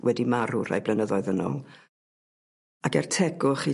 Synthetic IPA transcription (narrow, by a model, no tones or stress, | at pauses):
wʔɛdimaɾʊɾa̰jblɛnəðɔɨðənɔ̰ | akɛrtʰɛɡʊχi